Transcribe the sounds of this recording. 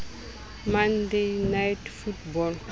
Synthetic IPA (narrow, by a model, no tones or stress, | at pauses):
mãndejnajtfutbɔl